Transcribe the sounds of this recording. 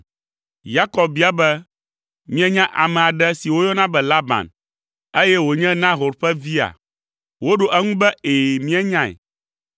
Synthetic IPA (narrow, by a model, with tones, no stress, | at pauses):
ja˦kɔ˨b̚bi˦a˦bɛ˦ | mĩ˦ɛ˦ɲã˦ʔa˨mɛ̃˨a˨ɖɛ˦si˨wo˦jɔ˦nã˦bɛ˨la˦bã̰˨n | e˦jɛ˦wo˨ɲɛ̃˦nã˦ɦo˨ɾɸɛ˦vi˦a̰˨ | wo˦ɖo˨ʔɛ˦ŋũ˦bɛ˦eː˨mĩ˦ɛ˦ɲã˦ɛ̰˨